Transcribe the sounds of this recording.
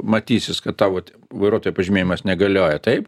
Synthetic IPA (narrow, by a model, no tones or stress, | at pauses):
mɐt̪ʲiːsʲɪskɐtt̪ɑːʋotʲ | ʋɐɪɾuːt̪oːjupɐʒʲɪmʲeːjɪmɐsnʲɛɡɐlʲoːjɛt̪ɐɪp